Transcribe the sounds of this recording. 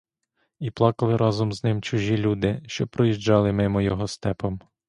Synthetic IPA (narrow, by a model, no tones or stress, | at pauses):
iplˠɑkɐlˠɪɾɑzɔmznɪmt͡ʃʊʒʲilʲud̪ɪʃt͡ʃɔpɾɔjiʒd͡ʒɑlˠɪmɪmɔjɔɦɔst̪ɛpɔm